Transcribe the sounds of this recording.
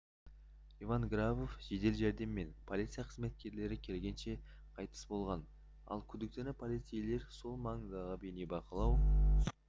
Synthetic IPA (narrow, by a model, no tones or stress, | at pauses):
ivaŋɡrabo̞fʒ̥e̞d̪e̞lʒæɾd̪e̞mːe̞npʰo̞lˠit̪sɨjaqʰəzme̞t̪̚kʲe̞ɾle̞ɾɪkʲʰe̞lɡʲe̞nʃe̞ | qʰɑjt̪ə̥sbo̞lˠʁɑn | ɑ̰lˠkʲʰʏd̪ɪk̚t̪enɪpʰolijt̪sijle̞ɾso̞lˠmɑɴzɑʁəbenebɑqəlˠɑw